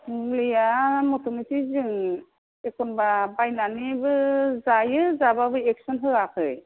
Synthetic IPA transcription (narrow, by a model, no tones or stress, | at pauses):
mumlijamɔtʰɔmitʰizɯŋ | ekʰɔnbabajnanibɯzajɯzababɯjɛk̚sɔnɦɯakʰɯj